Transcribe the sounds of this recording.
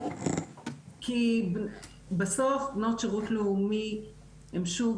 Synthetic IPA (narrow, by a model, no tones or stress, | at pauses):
kʰi | basofbnot̪ʃaʁut̪loumi | emʃu